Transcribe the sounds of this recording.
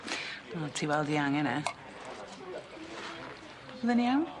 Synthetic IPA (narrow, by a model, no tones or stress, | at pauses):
atʰiwɛlˠdiaŋɛnɛ | bəðəniawn